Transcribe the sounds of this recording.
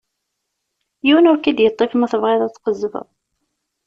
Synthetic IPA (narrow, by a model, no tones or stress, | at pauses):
jiwənʊɾkæd̪jət̪ˤːefmæθəvʁeðˤæt͡sːqəzːvə̰ðˤ